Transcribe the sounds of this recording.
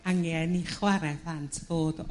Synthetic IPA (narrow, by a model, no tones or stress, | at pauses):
aŋɛniχwaɾɛpʰlantʰv̥oːd